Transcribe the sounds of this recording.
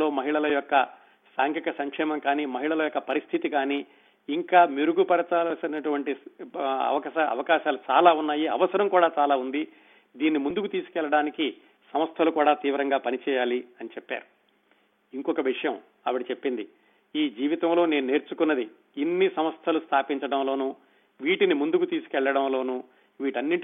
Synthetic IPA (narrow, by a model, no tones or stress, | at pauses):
lo̞ːmɐɦiɭɐlɐjɔkːɐ | saːŋkʰikɐsɐŋkʂɛːmɐŋkaːniːmɐɦiɭɐlɐjɔkːɐpɐɾist̪ʰit̪ikaːniː | ŋkaːmiɾuɡupɐɾɐt͡ʃaːlɐsɐnɐʈuʋɐɳʈi | ɐ̰ʋɐkɐɐ̰ʋɐkaːʃaːlut͡ʃa̰ːlaːunːaːjiɐ̰ʋɐsɐɾɐmkuːɽaːt͡ʃaːlaːund̪i | d̪iːnːimund̪ukut̪iːsu̥kɛlːɐɽaːniki | sɐmɐst̪ʰɐlukuːɽaːt̪iːʋɾɐŋɡaːpɐnit͡ʃɛːjaːliɐnit͡ʃɛpːa̰ːɾu | iŋkɔkɐʋiʂɐjɐm | ɐʋɐɽit͡ʃepːind̪i | iːd͡ʒiːʋit̪ɐmlo̞ːne̞ːnune̞ːɾt͡ʃukunːɐd̪i | inːisɐmɐst̪ʰɐlust̪ʰaːpiɲt͡ʃɐɽɐmlo̞ːnuː | ʋiːʈinimund̪ukut̪iːsu̥kɛɭːɐɽɐmlo̞ːnuː | ʋiːʈɐnːiɳʈi